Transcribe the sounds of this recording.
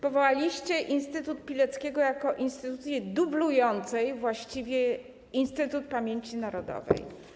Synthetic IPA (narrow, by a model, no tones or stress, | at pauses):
pɔvɔwalʲiɕt͡ɕɛʔinst̪ɘt̪ut̪̚pʲilɛt̪skʲɛɡɔjakɔʔinst̪ɘt̪ut̪sʲjɛd̪ublujɔnt̪sɛjvwaɕt͡ɕivʲjɛ | inst̪ɘt̪ut̪̚pamʲjeɲt͡ɕinaɾɔd̪ɔ̰vɛ̰j